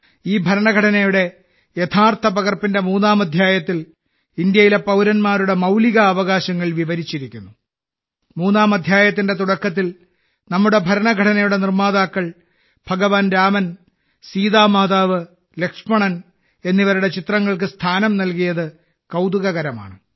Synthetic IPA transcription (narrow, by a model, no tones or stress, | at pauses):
iːbʱɐɾɐɳɐɡʱɐʈʰɐnɐjuɽe̞ | jet̪ʰaːrt̪ʰɐpɐɣɐrpinde̞muːnːaːmɐd̪ʱjaːjɐt̪ːil | ind̪jɐjile̞pɐwɾɐnmaːɾuɽe̞mɐwliɣɐːʋɐɣaːɕɐŋːɐɭʋiʋɐɾit͡ɕːiɾikʲːunːu | muːnːaːmɐd̪ʱjaːjɐt̪̬ːinde̞t̪uɽɐkːɐt̪̬ːil | nɐmːuɽe̞bʱɐɾɐɳɐɡʱɐʈʰɐnɐjuɽe̞nirmaːðaːkːɐɭ | b̥ʱɐɡɐʋaːnɾaːmɐn | siːðaːmaːd̪aːʋɨ | le̞kʂmɐɳɐn | e̞nːiʋɐɾuɽe̞t͡ɕit̪rɐŋːɐɭkɨst̪ʰaːnɐmnɐlkijɐðɨ | kɐwd̪uɣɐɣɐɾɐma̰ːɳɨ